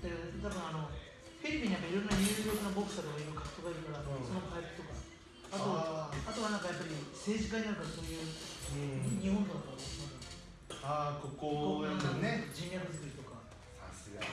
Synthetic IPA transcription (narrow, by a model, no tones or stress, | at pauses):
d̪et̪abɯ̃ano̞ | ɸʲiɾʲipʲĩɲːijakːaiɾõ̞nːaɲʲɯːɾʲokɯnobo̞kɯ̟sat̪oɡkaimɯkḁkɯ̟̥t̪o̞ɡaiɾɯ̟kaɾaːoso̞nopaipɯ̟t̪o̞ka | at̪o̞at̪oβanãŋkajapːaɾʲise̞ːʑikainaŋkaɾso̞ːjɯ̟ː | ɲ̟iɦõnd̪onakaβmosimoe | akokoãkaet̪od͡ʑĩnjakɯ̟zɨkɯ̟ɾʲit̪o̞ka | sasɨɡa